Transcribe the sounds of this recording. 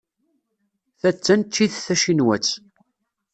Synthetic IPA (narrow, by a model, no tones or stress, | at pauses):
θæt͡sːænt̪ːiðθæʃinwæt͡sː